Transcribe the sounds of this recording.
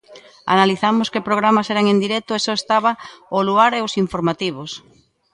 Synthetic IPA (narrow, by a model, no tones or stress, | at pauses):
a̰naliθamʊskepɾoɣ̞ɾamaseɾaŋẽnd̪iɾɛk̚t̪oesɔest̪aβaoluaɾeosiɱfoɾmat̪iβ̞os